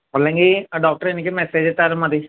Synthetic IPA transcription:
bolːẽːŋɡiːɖɔːk̚ʈəɾɪnkimɛːseːd͡ʒt̪əɾməd̪i

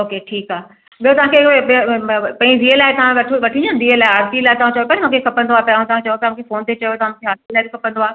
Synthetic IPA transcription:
oːkeʈʰiːkaː | ɓijot̪ɐʋ̤ãkʰeɓiopɐ̃d͡ʑiʋielaːɪt̪ɐʋ̤ãʋɐʈʰʋɐʈʰĩd͡ʑõnd̪iːelaːɪaːɾpilaːɪt̪ɐʋ̤ãt͡ɕɐjopɐ̃ɾ̃mũːkʰekʰɐpə̃nd̪oaːpɐ̃t̪ɐʋãt͡ɕɐjot̪ɐmũːkʰefoːnt̪et͡ɕɐjot̪ɐʋ̤ãm̃ːkʰeaːɾpilaːɪbikʰɐpə̃nd̪oaː

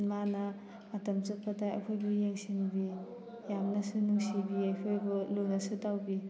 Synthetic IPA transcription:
manaː | tɐmsɯpʰːatajɐ̰kʰojbujeŋsinbi | jamnɐsunuŋsibiajkʰojbɯlunɐsutawbi

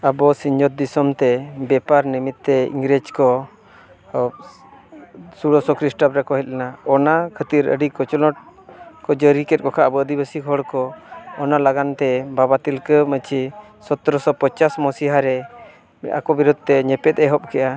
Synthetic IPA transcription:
abɔsiɲd͡ʒɔt̪̚d̪isɔmt̪ɛbɛpaɾnimit̪̚ːɛḭŋɡɾed͡ʒkɔ | suɽɔsɔkɾisʈɔpɾɛkɔɦɛt̪̚ˀlɛnaɔnakʰət̪iɾə̰ɖikɔt͡ʃɔlɔʈ̚kɔd͡ʒəɾikɛt̪̚kɔkʰaəbɔəd̪ibasiɡʱɔɽkɔːnalaɡant̪ɛbabat̪ilkəmət͡ʃi | sɔt̪ɾɔsɔpət͡ʃasmɔsiɦaɾɛ | a̰kɔbiɾud̪̚ʱt̪ɛɲɛpɛt̪̚ɛɦɔp̚kɛʔa

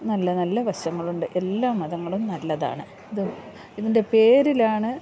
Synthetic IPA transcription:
nɐlːɐnɐlːɐʋɐɕɐŋːɐɭuɳɖɨʔe̞lːaːmːɐðɐŋːɐɭumnɐlːɐða̰ːɳɨ | iðɨ | iðinde̞pe̞ːɾilaːɳɨ

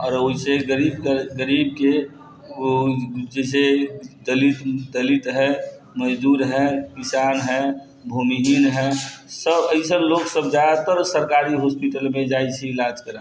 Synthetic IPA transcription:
ɔːɾoɦiseɡəɾibkəɡəɾib̚ke | d͡ʒɛs̬ed̪əlit̪d̪əlit̪ɦɛ | məd͡ʒd̪uɾɦɛkisanɦɛ | bʱumiɦinɦɛsəbəɪsənloksəbd͡ʒad̪at̪əɾsəɾkaɾiɦospiʈəlmẽd͡ʒajt͡ʃʰiːlad͡ʒkəɾə̃

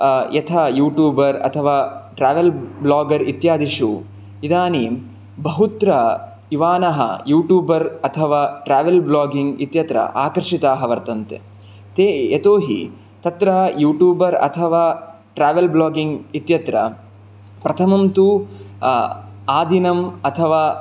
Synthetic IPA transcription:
jɐt̪ʰajuːʈjuːbɐɾɐ̰t̪ʰɐʋaːʈɾaːʋɐlblaːɡɐɾit̪jaːd̪iʂu | id̪aːni | bɐɦut̪ɾɐ | iʋaːnɐɦɐ̰juːʈjuːbɐɾɐt̪ʰɐʋaːʈɾaːʋelblaːɡiŋɡit̪jɐt̪ɾɐ̰ʔaːkɐɾʂit̪aːɦɐʋɐɾt̪ɐnt̪ḛ | t̪eːet̪oːɦḭ | t̪ɐt̪ɾɐɦɐjuːʈjuːbɐɾɐ̰t̪ʰɐʋaː | ʈɾaːʋelblaːɡiŋɡit̪jɐt̪ɾɐ̰ | pɾɐt̪ʰɐmɐmt̪u | aːd̪ʱinɐmɐt̪ʰɐʋaː

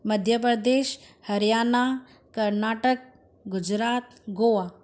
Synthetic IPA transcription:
məd̪ʱjəp̬ɾəd̪eːʃhəɾijaːna | kəɾnaːʈək̚ | ɡʊd͡ʒɾaːt̪ | ɡoʋa

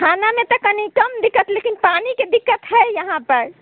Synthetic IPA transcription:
kʰanamẽt̪ɔkənikəmd̪ikːət̪lekinpaniked̪ikːət̪ɦɛjjəɦãpəɾ

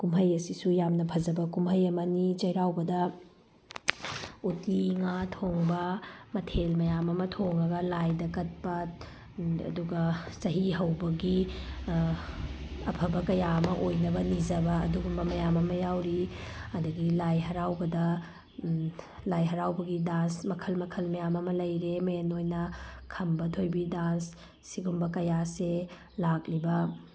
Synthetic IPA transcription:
kumɦɐjɐsisujamnɐpʰɐzɐbɐkumɦɐjɐmɐnit͡ʃɐjɾawbɐdɐ | utiŋatʰoŋbɐmɐtʰelmɐjamɐmɐtʰoŋɐɡɐlajdɐkɐt̚pɐ | ɐ̰duɡɐsɐɦiɦɐwbɐɡi | ɐpʰɐbɐkɐjaɐmɐʔojnɐbɐnid͡ʒɐbɐːduɡumbɐmɐjamɐmɐjawɾiɐdɐɡilajɦɐɾawbɐdɐ | lajɦɐɾawbɐɡidansmɐkʰɐlmɐkʰɐlmɐjamɐmɐlɐjɾemɐenojnɐkʰɐmbɐtʰojbidansː | iɡumbɐkɐjase | lak̚libɐ

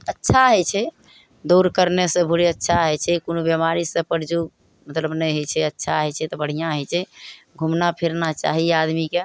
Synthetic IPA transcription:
ətːʃʰaɦɔjt͡ʃʰɛ | d̪uɾkəɾnesə̃bʱuɾiətːʃʰaɦojt͡ʃʰɛkonobjəmaɾisə̃pəɾd͡ʒu | mət̪ləbnəjɦot͡ʃʰɛətːʃʰaɦɛt͡ʃʰɛt̪ɔbəɽ̤ijãɦɔjt͡ʃʰɛ | ɡʱumnapʰiɾnat͡ʃa̰ɦiad̪mike

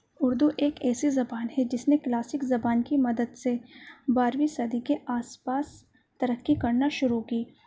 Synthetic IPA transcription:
ʊɾd̪uʔeːkɛːsezɐbaːnɦɛd͡ʒɪsneklaːsɪkzɐbaːnkimɐd̪əd̪sebaːɾʋisɐd̪ikeʔaːspaːs | t̪ɐɾəkːikɐɾnaʃʊɾukiː

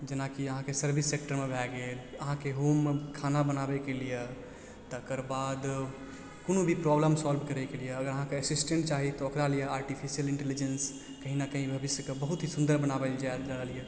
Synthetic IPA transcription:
d͡ʒənakiəɦãkesəɾbʱisːek̚ʈəɾmebʱɛɡeləɦãkeɦomːekʰanabənabɛkelijə | t̪əkəɾbad̪ | konobʱipɾɔbləmsɔlbʱkəɾɛkelijəːɡəɾəɦãkeəsisʈẽɳʈ̚t͡ʃaɦit̪ɔokɾalijəaːɾʈipʰisijəlɪ̃ɳʈelid͡ʒəns | kəɦinakəɦĩbʱəbisjəkebəɦut̪ɦisũnd̪əɾbənabəld͡ʒad͡ʒaɾəlijə

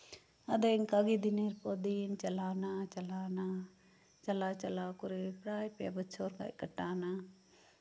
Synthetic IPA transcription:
ɐd̪eŋkaɡid̪ineɾpoːd̪iːnt͡ʃɐlaːnaːt͡ʃɐlaːnaː | t͡ʃɐlaːt͡ʃɐlaːkʊɾepɾaːjpja̰bət͡ʃʰoːɾka̰ːḭkəʈːaːnaː

